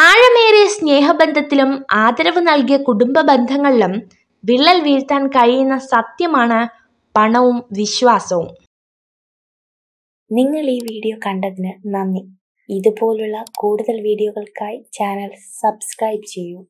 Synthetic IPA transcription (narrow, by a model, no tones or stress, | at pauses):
aːɻɐmeːɾesne̞ːɦɐbend̪ʱɐt̪ːilumaːd̪ɐɾɐʋɨnɐlkijɐkuɽumbɐbend̪ʱɐŋːɐɭilum | ʋiɭːɐlʋiːɾt̪ːaːnkɐɻijunːɐsɐt̪jɐmaːɳɨ | pɐɳɐʋumʋiɕʋaːsɐʋum | niŋːɐɭiːʋiːɽijokɐɳɖɐðinɨnɐnːi | iðupo̞ːluɭːɐkuːɽuðɐlʋiːɽijoɣɐɭkaːjt͡ɕaːnɐlsɐbskrɐjbt͡ɕe̞jːu